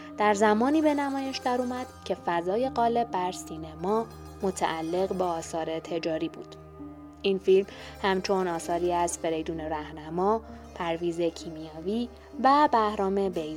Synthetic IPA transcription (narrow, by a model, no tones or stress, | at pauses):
d̪̥æɾzæmɒːniːbe̞næmɒːje̞ʃd̪æɾuːmæd̪̥cʰe̞fæzɒːje̞ɣɒːle̞bbæɾsiːnemɒː | mo̞t̪ʰæ̰ʔælːe̞ɣbɒːsɒːɾe̞t̪ʰe̞d͡ʒɒːɾiːbuːd̪̥ | ʔinfilm | hæmt͡ʃʰo̞nɒːsɒːɾiːæz̥fe̞ɾe̞jd̪uːne̞ɾæhnæmɒː | pʰæɾviːze̞cʰimijɒːviː | væbæhɾɒːme̞bejz